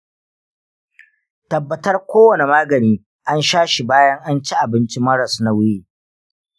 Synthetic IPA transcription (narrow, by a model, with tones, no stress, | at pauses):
tɐ˨bːɐ˨tɐ˦rkʷoː˦wɐ˨ne˨maː˦ɡɐ˨niː˦ | ʔa˦nʃaː˦ʃi˨baː˦jɐ˦ŋʔa˦nt͡ʃi˦ʔa˨bɪ˦nt͡ʃi˦mɐ˦ɾɐ˨sna˨wɪ˦jeː˦˨